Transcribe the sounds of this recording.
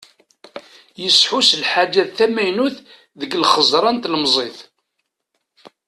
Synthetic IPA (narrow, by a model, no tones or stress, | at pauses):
jəsħuslħad͡ʒːæðθæmæjnuθ | ðəɡlχəzˤɾˤɑnt̪ləmzˤeθ